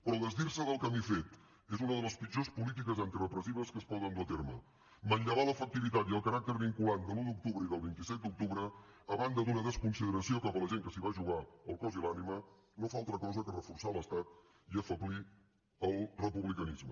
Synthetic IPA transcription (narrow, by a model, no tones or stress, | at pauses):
pɾɔðəzðirsəðəlˠkəmifet̪ | ezunəðələspid͡ʒospulit̪̬ikəzant̪irəpɾəsiβ̞əskəspɔzənd̪uət̪eɾmə | mənʎəβaləfək̚t̪iβit̪at̪iəlˠkəɾak̚t̪əɾβiŋkuland̪əluðuk̚t̪uβɾəiðəlˠβint̪isɛt̪̚d̪uk̚t̪uβɾəː | βand̪əd̪unəðəskunsiðəɾəsiokapələʒeŋkəsiβaʒuɣaəlˠkɔzilanimə | nofaalˠt̪ɾəkɔzəkərəfuɾsaləst̪at̪ | iəfəβli | əlˠrəpuβlikənizmə